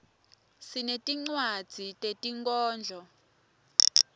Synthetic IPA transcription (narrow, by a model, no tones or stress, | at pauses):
sinetʼiŋ͡ǀwad̥d͡z̥ʱitʼetʼiŋkʼɔːnd͡ɮʱɔ